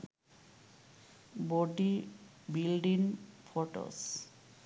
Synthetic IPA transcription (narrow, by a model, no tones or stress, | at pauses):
boɖi | bilɖiŋfoʈo̰s